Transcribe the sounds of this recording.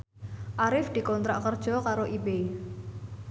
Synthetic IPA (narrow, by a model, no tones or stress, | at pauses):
ʔaɾɪfd̪̥i̤kɔnt̪ɾa̰ʔkərd̥ʒ̥ɔkaɾoʔibei